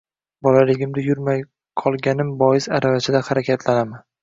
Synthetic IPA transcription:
bɒlalɪɡʲɪmd̪ɪjʊɾmaj | qʰɒlˠɡʲanɪmbɒjɪsaɾavat͡ʃʰɪd̪ahaɾakʲʰat̪ʰlanama

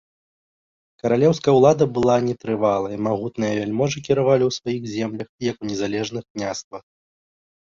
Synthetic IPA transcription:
kɐɾalʲɛwskɐjɐwlˠad̪ɐbɨlˠanʲɛt̪ɾɨvalˠɐjimaɣut̪nɨjɐvʲɛlʲmɔʐɨkʲiɾavalʲiwsvajixzʲɛmlʲɐxjɐkunʲɛzalʲɛʐnɨxknʲast̪vɐx

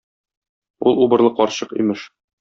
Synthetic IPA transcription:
ulˠubɤ̆ɾlˠɤqɒɾɕɤqḭmɘʃ

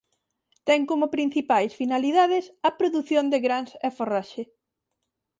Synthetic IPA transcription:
t̪ɛŋkomʊpɾĩn̟θipajsfinaliðaðɪsɐpɾoðuθjond̪eɣɾanseforaʃe

